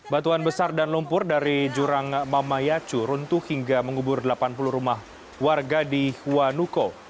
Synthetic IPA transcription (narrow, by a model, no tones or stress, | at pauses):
bat̪uanbəsardanlumpʊrdaɾid͡ʒuɾaŋmamajat͡ʃuɾunt̪uhiŋɡaməŋubʊrdəlapanpuluhɾumah | warɡadihuanuko